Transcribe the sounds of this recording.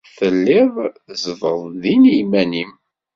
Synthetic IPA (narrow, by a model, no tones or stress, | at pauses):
θəlːɪðˤ | zvəðˤðinimænim